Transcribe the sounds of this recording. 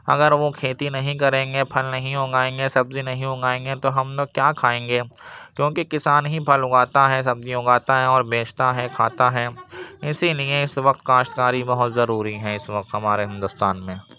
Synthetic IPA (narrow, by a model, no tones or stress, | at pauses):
ɐ̰ɡəɾʋokʰeːt̪inɐɦĩk̬ɐɾẽːŋɡepʰɐlnɐɦĩʊɡaːẽːŋɡesɐbzinɐɦĩʊɡaːẽːŋɡet̪oɦɐmokjaːkʰaːẽːŋɡeːkjõːkekɪsaːnɦĩpʰɐlʊɡaːt̪aɦɛsɐbziʊɡaːt̪aɦɛ̃ɔːɾbeːt͡ʃʰt̪aɦɛkʰaːt̪aɦɛɪsilieɪsʋɐqt̪kaːʃkaːɾibɐɦʊt̪zɐɾuːɾiɦɛ̃ɪsʋɐq̚t̪ɦɐmaːɾeɦɪ̃nd̪ʊst̪aːnmẽː